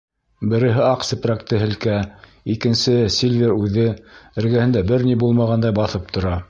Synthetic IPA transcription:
bɘ̆ɾɘ̆ɦɘɑqsɘ̆pɾækt̪ɘɦɘ̆lkæ | ikɘ̆nsɘsʲilʲvʲeɾʉðɘɘ̆ɾɡæhɘ̆nd̪æbɘɾnibulˠmɑʁɑnd̪ɑjbɑθɤp̚t̪ʰŏɾɑ

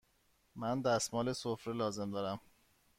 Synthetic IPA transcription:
mænd̪æsmɒːlesofɾelɒːze̞md̪ɒːɾæm

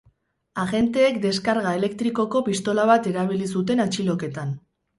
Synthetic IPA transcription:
aɣe̞nt̪e̞ːkd̪e̞skaɾɣae̞le̞k̚t̪ɾiko̞ko̞pist̪o̞laβ̞at̪e̞ɾaβ̞ilisut̪̬e̞nat͡ʃilo̞ke̞t̪an

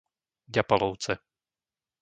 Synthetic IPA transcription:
ɟapalɔʊt͡sɛ

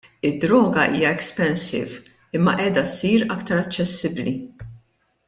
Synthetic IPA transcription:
ɪd̪ːɾɔːɡɐʔḭːjɐɛkspɛnsɪ̰v | ɪmːɐ̰ʔɛːd̪ɐsiːɾɐkt̪ɐɾɐt͡ʃːɛsːɪbli

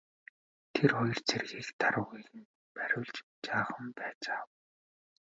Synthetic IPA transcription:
t̪ʰerχɔjɞ̆r̥t͡sʰerɣiːkt̪aɾʊ̆ːɣiɣɘ̆n | pæɾʲʊːɮt͡ɕ | t͡ɕaːχə̆mpæːt͡saːw

